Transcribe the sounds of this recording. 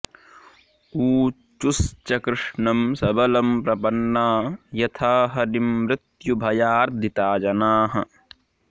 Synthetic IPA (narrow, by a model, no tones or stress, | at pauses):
uː | t͡ʃust͡ʃɐkɾɪʂɳɐmsɐbɐlɐmpɾɐpɐnːaːjɐt̪ʰaːɦɐnimɾɪt̪jubʱɐjaːɾd̪ʱit̪aːd͡ʒɐnaːɦɐ̰